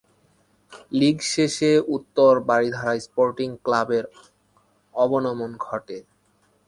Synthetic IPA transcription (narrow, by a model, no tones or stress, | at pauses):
liɡʃeʃeut̪ːoɾbaɾid̪ʱaɾajspoɾʈiŋklabeɾ | ɔbonɔmonɡʱɔʈe